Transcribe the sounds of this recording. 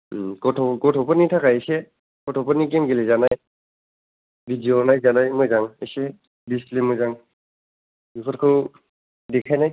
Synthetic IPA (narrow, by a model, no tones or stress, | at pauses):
kɔtʰkɔtʰɔpɔtnitʰakaesɛ | kɔtʰɔpɔnik̬emɡelɛzanaj | bidionajzanajmojzaŋesɛ | bistlemojzaŋ | bukʰɔtkʰo | dɛkʰajnaj